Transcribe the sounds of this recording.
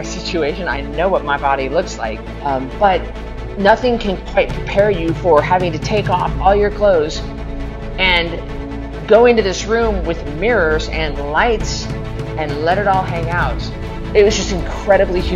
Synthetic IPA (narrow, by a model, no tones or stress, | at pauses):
sɪt͡ʃʉeɪʃɨ̃na̰ɪnoʊwʌt̚maɪbɑɾilʊksla̰ɪk̚ | b̥ʌt̚ⁿ | nʌθɪ̃ŋkʰɨ̃nkʰw̥aɪt̚pʰɹ̥ipʰɛɹjɨfə˞hævɪ̃ŋtɨtʰeɪkɔ̰fɔlˠjə˞kʰl̥oʊz | ɨ̃n | ɡoʊɪ̃ntʉðɪsɹʉ̃mwɪðmɪɹə˞zɨ̃nlaɪts | ɨ̃nlɛɾɨɾɔlˠɦæ̃ŋaʊt | ɨt̚wʌzd͡ʒʌstɨ̃nkʰɹ̥ɛɾɨblih